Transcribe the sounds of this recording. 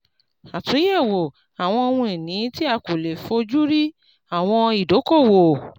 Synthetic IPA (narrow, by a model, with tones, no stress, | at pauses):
a˨tũ˨˦je˦˨wo˨ | a˨w̃ɔ̃˧o˧wũ˧e˨nĩ˨˦ti˦a˧ku˨le˨fo˧d͡ʒu˦ɾi˦ | a˦˨w̃ɔ̃˧i˨do˨˦ko˦˨wo˨